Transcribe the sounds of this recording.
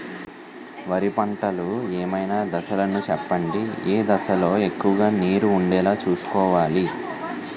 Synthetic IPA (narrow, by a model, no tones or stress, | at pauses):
ʋɐɾipɐɳʈɐlueːmɐjnaːd̪ɐsɐlɐnut͡ʃɛpːɐɳɖieːd̪ɐsɐlo̞ːe̞kːuʋɐɡaːniːɾuːɳɖɛːlaːt͡ʃuːsu̥kɔːʋaːli